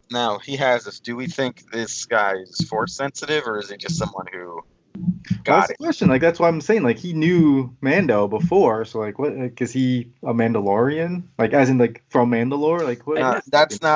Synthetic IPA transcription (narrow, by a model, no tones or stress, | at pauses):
noʊhiɨzɨfd̥ɨwiθɪ̃ŋk̚ðɪsɡ̥aɪɪz̥fɔɹsɛ̃nsɨɾɪvə˞ɨz̥id͡ʒʌstsʌ̃mwʌ̰̃nhʉ | ɡ̥ɾəkw̥ɛst͡ʃɨ̃nlaɪk̚ðætswaɪãɪ̃mseɪɪ̃ŋlaɪkhinjʉmæ̃ndoʊbəfɔɹsoʊlaɪkwʌt̚laɪkɨz̥iəmæ̃ndəlɔɹiɨ̃nlʔaɪkæzɨ̃nlaɪkfɹʌ̃mːæ̃ndəlɔɹlaɪkʰwʌðætnə